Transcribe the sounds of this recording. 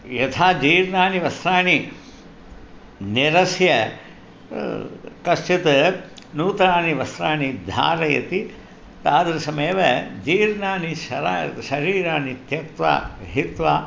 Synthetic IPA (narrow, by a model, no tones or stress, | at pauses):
jɐt̪ʰaːd͡ʒiːɾnaːniʋɐsɾaːni | niɾɐsjɐ | kɐsʈit̪ɐnuːt̪ɾaːniʋɐsɾaːnid̪ʱa̰ːɾɐjɐ̰t̪i | t̪aːd̪ɾɐsɐmeːʋɐd͡ʒiːɾnaːniʃɐɾaːʃɐɾiːɾaːnit̪jɐk̚t̪ʋa̰ːɦit̪ʋaː